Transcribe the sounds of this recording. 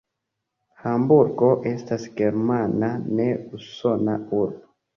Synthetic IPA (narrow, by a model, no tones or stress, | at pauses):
hambuɾɡo̞ʔe̞stasɡe̞ɾmanane̞uso̞nauɾbo